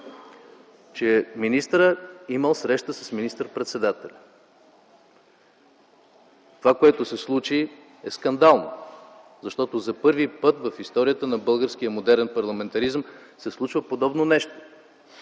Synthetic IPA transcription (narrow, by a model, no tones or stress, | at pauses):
t͡ʃɛminist̪ɾəiməlˠsɾɛʃt̪əsəsminist̪əɾpɾɛt̪sɛd̪at̪ɛlʲɐ | t̪ovakoɛt̪osɛslˠut͡ʃi | ɛskɐnd̪alˠno | zɐʃt̪ɔt̪ozɐpɤɾvipɤt̪vɐfist̪ɔɾijət̪ənɐbɤlˠɡəɾsk̟ijəmod̪ɛɾɛnpɐɾlˠɐmɛnt̪ɐɾizəm | sɛslˠut͡ʃvəpod̪ɔbnonɛʃt̪o̥